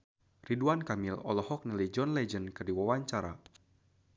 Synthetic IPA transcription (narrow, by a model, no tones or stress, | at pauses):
riduankamilɔ̰lɔhɔk̚nilajd͡ʒɔnlɛd͡ʒənkɨrdiwawaɲt͡ʃaɾa̰